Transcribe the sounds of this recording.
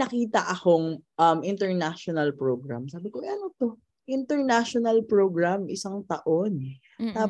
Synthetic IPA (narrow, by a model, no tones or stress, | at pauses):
nɐkiːt̪ɐʔɐko̞ŋʔɐmʔɪnt̪ɛɹnaʃonɐlpɹoːɡɾa̰msaːbɪkoʔɐnot̪o | ʔɪnt̪ɛɹnaʃonɐlpɹoːɡɹamʔɪsaŋt̪ɐʔo̞nɛ | t̪aː